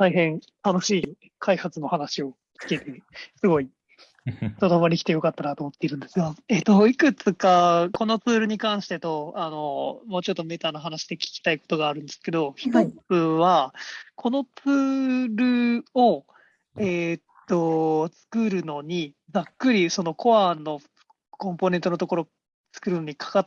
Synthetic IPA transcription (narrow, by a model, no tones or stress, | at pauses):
t̪aiɦẽ̞ŋ | t̪ano̞ɕiː | kʰaihat͡sɨno̞hanaɕio̞ | t͡sɨ̥ke̞t̪e̞sɨɡo̞i | t̪od̪omaɾʲikʲi̥t̪e̞jo̞kat̪ːanat̪o̞ːmot̪ːe̞iɾɯ̟̃nd̪e̞sɨɡae̞t̪o̞ikɯ̟t͡sɨkako̞no̞t͡sɨːɾɯ̟ɲ̟ikãɰ̃ɕi̥t̪e̞t̪o̞ano̞moːt͡ɕo̞t̪ːo̞me̞t̪anoɦanaɕi̥d̪e̞kʲi̥kʲi̥t̪aiko̞̥t̪o̞ɡaːɾɯ̟̃nd̪esɨ̥ke̞d̪o̞çi̥t̪ot͡sɨβakʰo̞no̞t͡sɨːɾɯ̟o̞ | et̪ːot͡sɨ̥kɯ̟ɾɯ̟no̞ɲ̟i | d͡zakːɯ̟ɾʲiso̞no̞ko̞βano̞ | kõ̞mpo̞ne̞nt̪oot̪o̞ko̞ɾo̞ | t͡sɨ̥kɯ̟ɾɯ̟no̞ɲ̟ikʰḁka